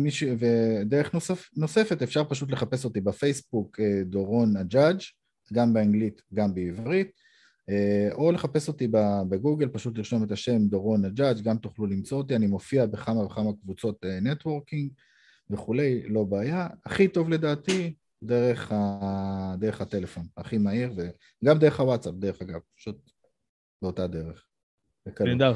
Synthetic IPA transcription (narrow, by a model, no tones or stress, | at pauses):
miʃved̪eʁeχnosno̞se̞fe̞tefʃaʁpaʃut̪̬le̞χape̞so̞tibafejsbuked̪o̞ʁo̞nad͡ʒad͡ʒ | ɡambeaŋɡlit̪ɡambeivʁit̪̚ | eo̞le̞χape̞so̞t̪ibabeɡuɡe̞lpaʃut̪liʃo̞metaʃe̞md̪o̞ʁo̞nad͡ʒad͡ʒɡamt̪uχlulimt͡so̞ot̪̬ianimo̞fiabeχamaveχamakvut͡so̞t̪enetwo̞ʁkiŋɡ | ve̞χule̞jlo̞baːjaaχito̞vle̞d̪aːt̪i | d̪e̞ʁe̞χa | d̪eʁeχhat̪e̞le̞fo̞naχimaiʁve | ɡamd̪eʁeχawatt͡sap̚deeχaɡavpḁʃut̪̚ | beo̞tad̪e̞ʁeχ | bekalda